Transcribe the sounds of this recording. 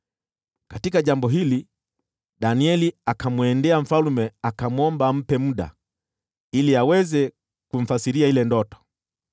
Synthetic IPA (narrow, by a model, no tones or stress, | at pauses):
katikaʄambɔɦili | ɗaniɛliakamwɛndɛam̩falumɛakamwɔmbam̩pɛmuɗa̰ | iliawɛzɛ | kuɱ̩fasiɾiahilɛndɔtɔ̥